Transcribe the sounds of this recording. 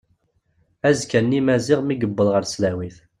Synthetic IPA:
æzkænːimæzɪʁmiɡəbːəlʁəɾslæwiθ

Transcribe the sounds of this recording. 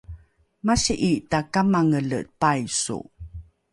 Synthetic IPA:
maɕiʔitakamaŋələ̰pajsṵ

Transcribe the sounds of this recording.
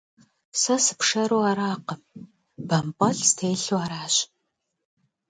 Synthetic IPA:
sɐsɨ̥pʂɐɾuːaɾaːqəm | b̥ɐmpʼɐɬstʰeːɬuaːɾaːɕ

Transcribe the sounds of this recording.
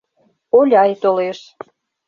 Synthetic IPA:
olʲɑjt̪oleʃ

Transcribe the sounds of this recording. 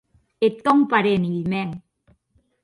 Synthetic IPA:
et̪ːɔŋpaɾeniimɛŋ

